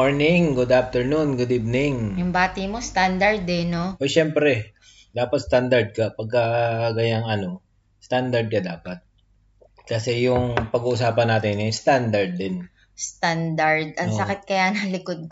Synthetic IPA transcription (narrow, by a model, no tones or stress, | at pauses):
oɹnɪŋɡʊd̪aft̪ɛɹnunɡʊd̪iːvnɪŋjʊŋbaːt̪ɪmost̪and̪ɐɹd̪ɪnoʔoʃɛmpɾɛ | d̪aːpɐt̪st̪and̪ɐɹd̪̚kɐpɐɡ̚kɐɡɐjaŋɐno̞ | st̪and̪ɐɹd̪̚kɐd̪aːpɐt̪̚ | kɐsɛjʊŋpɐɡuʔʊs̬aːpɐnːaːt̪ɪnɛjst̪and̪ɐɹd̪ːɪn | st̪and̪ɐɹd̪ɐŋoɐkɪt̪̚kɐjanɐlɪkod̪̚k